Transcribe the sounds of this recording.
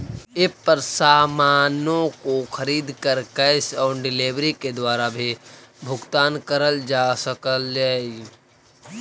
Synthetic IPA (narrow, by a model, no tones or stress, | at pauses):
ɪpːəɾsaːmaːnõkoxʰəɾiːd̪kəɾkəsɔːɾɖɪleːʋɾiked̪waːɾabʱibʱʊɡt̪aːnkəɾəld͡ʒaːsəkəld͡ʒaːi